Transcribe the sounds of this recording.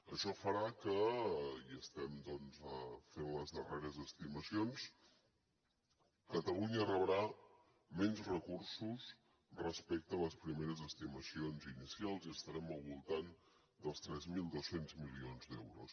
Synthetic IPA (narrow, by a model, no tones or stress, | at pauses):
əʃɔfəɾakəiəst̪ɛmd̪ɔnzəfenləzðəreɾəzəst̪iməsions | kət̪əluɲəːrəβəɾa | mɛnzrəkursus | rəspɛk̚t̪əːləspɾimeɾəzəst̪iməsionzinisialˠziəst̪əɾɛməlˠβulˠt̪an | d̪əlˠst̪ɾɛzmilˠd̪osenzmilionzd̪ɛwɾus